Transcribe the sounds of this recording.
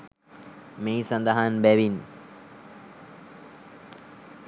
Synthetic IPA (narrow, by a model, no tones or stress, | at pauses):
meːsand̪aɦanbæʋin